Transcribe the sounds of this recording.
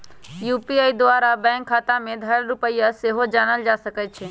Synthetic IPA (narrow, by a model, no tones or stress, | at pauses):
juːpiaid̪waːɾabɛ̃ːŋkʰːaːt̪amẽd̪ʱəɽɾʊpəjaseɦod͡ʒaːnəld͡ʒaːsəkət͡ʃʰe